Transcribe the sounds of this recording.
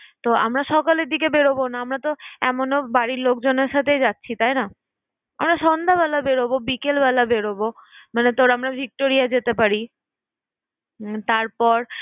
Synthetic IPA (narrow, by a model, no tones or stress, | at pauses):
t̪oa̰mɾaʃɔkaleɾd̪ikebeɾobonaamɾat̪oɛmonobaɽiɾlok̚d͡ʑoneɾʃat̪ʰed͡ʑatːɕʰit̪ajna | amɾaʃɔnd̪ʱaβɛlabeɾobobikelbɛlabeɽobomanet̪oɾamɾabʱik̚ʈoɾijad͡ʑet̪epaɾi | t̪aɾpɔɾ